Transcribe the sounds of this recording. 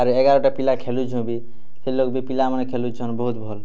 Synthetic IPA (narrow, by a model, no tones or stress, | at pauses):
aɾeɡaɾɔʈapilakʰelud͡ʒʱũbi | selokbipilamənekʰelud͡ʒʱonbəɦut̪bʱol